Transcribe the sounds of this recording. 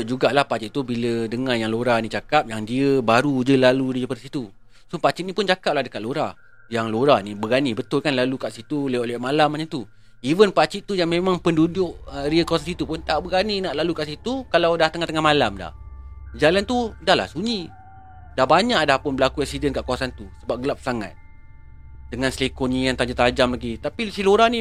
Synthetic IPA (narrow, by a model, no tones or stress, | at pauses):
d͡ʒuɡaʔlahpat͡ʃitʔt̪ubilədəŋanjaŋloɾanĩt͡ʃakap̚jaŋdiəbaɾud͡ʒəlaludiəpadsit̪u | sopat͡ʃitʔnĩpʊnd͡ʒakap̚lahdəkaʔloɾa | jaŋloɾanibəɡanibət̪ʊlkanlalukaʔsit̪uleoʔlɛʔmalamaɲət̪u | ivənpat͡ʃiʔt̪ːujaŋmẽmaŋpəndudʊʔəɾiəkawas̬ansit̪upʊnt̪aʔbəɡaninaʔlalukaʔsit̪ukalawdaht̪əŋaht̪əŋahmalamda̰h | d͡ʒalant̪udahla̰hsuɲi | dahbaɲaʔdahpʊnbəlakuɛk̚sidənkaʔkawasant̪usəbap̚ɡəlap̚saŋa̰t̪̚ | dəŋanslekoɲijaŋt̪aɲd͡ʒat̪ad͡ʒamlaɡit̪apisiloɾanĩ